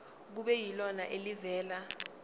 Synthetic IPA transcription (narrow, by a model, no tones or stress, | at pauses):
k̬uɓɛjilɔnaʔelivɛːla